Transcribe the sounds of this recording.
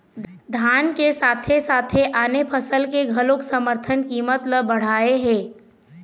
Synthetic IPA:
d̪ʱaːnkesaːt̪ʰesaːt̪ʰeʔaːnepʰəsəlkeɡʱəloksəməɾt̪ʰənkiːmət̪ləbəɽ̤aːeɦɛ̃ː

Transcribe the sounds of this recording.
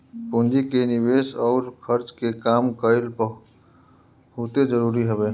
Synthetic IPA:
pʊ̃nd͡ʒikenɪweːsɔːɾkʰəɾt͡ʃkekaːmkəɪlpə | hoːt̪ed͡ʒəɾuːɾiɦəbeː

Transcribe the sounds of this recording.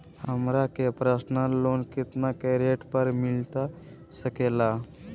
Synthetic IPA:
həmɾakepɾəsnaloːnkɪt̪nakeɾeʈpəɾmɪlt̪a | səkela

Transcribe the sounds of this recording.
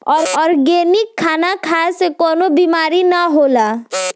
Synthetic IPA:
ɔːɾɔːɾɡenɪkʰːaːnakʰasekɔnobimaːɾinaɦola

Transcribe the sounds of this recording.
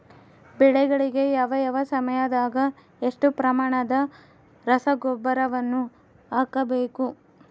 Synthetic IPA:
bɛɭɛɡɐɭiɡe̞jaːʋɐjɐʋɐsɐmɐjɐd̪aːɡɐ | eʂʈupɾɐmaːɳɐd̪ɐ | ɾɐsɐɡobɐɾɐʋɐnːu | aːkɐbe̞ːku

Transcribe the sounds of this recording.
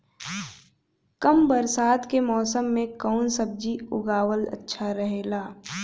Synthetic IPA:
kəmbəɾsaːt̪kemɔːsəmːẽkɔːnsəb̚d͡ʒiʊ̰ɡaːwələ̰tːʃʰaɾəɦeːlaː

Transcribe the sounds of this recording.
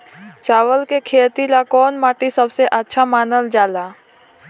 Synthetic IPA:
t͡ʃaːʋəlkekʰeːt̪ilakɔːnmaːʈisɐbseʔətːʃʰamaːnəld͡ʒaːlaː

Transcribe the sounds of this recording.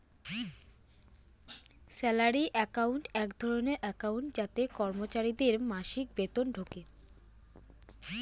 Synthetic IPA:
sɛlaɾiʔɛkawɳʈɛkd̪ʱɔɾoneɾʔɛkawɳʈd͡ʑat̪ekɔɾmot͡ɕaɾid̪eɾmaʃik̚bet̪onɖʱoke

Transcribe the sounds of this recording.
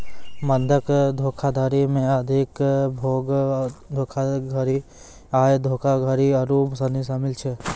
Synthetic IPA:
mənd̪ʱəkd̪ʱoːkʰad̪ʱaːɾimẽəd̪ʱɪkbʱoːɡd̪ʱoːkʰaɡʱəɾi | aːed̪ʱoːkʰaɡʱəɾiɐɾuːmsɐnisaːmɪlt͡ʃʰɛ

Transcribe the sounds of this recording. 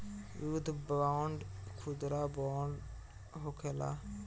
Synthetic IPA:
jud̪baɳɖkʰud̪ɾabaɳɖ | ɦokʰela̰

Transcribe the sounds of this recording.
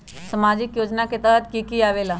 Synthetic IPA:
səmad͡ʑikjod͡ʑnaket̪at̪kikiːaʋela

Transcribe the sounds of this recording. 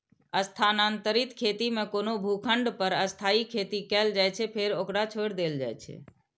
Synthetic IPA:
əst̪ʰanant̪əɾit̪kʰet̪imẽkonobʱukʰəɳɖpəɾəst̪ʰaikʰet̪ikɛld͡ʒajt͡ʃʰɛpʰeɾokɾat͡ʃʰoɾd̪eld͡ʒa̰jt͡ʃʰɛ̰

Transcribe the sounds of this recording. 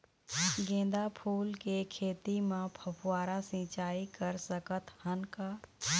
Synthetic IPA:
ɡẽːd̪apʰuːlkekʰeːt̪imãpʰəpʰwaːɾasĩːt͡ʃaːikəɾsəkət̪hənkaː

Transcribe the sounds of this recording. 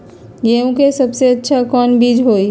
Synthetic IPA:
jeũkesəbseətːʃʰakɔːnbiːd͡ʒɦoi

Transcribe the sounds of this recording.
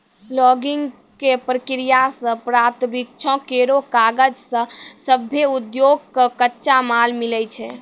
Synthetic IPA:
lɔɡiŋɡ | kepɾəkɾijasə̃pɾat̪mik̚t͡ʃʰɔ̃keɾokaɡəd͡ʒsə̃səbʱːeud̪joɡ̚kəkətːʃamalmilɛt͡ʃʰɛ

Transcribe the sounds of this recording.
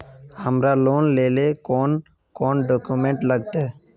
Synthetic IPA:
həmɾaloːnleːlekɔːn | kɔːnɖoːkumẽːɳʈləɡ̚t̪eɦ

